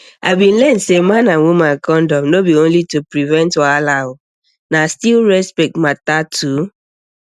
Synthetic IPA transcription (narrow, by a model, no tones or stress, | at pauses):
abin̩lɛn̩semananwumakɔn̩dɔmnobionlitupɾivɛntalaʊ | nastilɹɛspɛk̚tmatatʰu